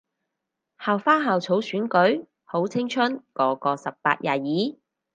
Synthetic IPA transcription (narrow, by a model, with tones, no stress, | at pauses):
haː˨wfaː˥ɦaː˨wt͡sʰo˨˥wsyː˨˥nkɵ˨˥ɥ | ho˨˥wt͡sʰɪ˥ŋt͡ʃʰɵ˥nkɔː˨˧kɔː˧sɐ˨p̚pa̰ː˧t̚jʔaː˨˩jiː˨˥